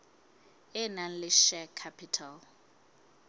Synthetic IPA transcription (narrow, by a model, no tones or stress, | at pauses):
ɛnan̩lɪʃɛkʰapʰitʰal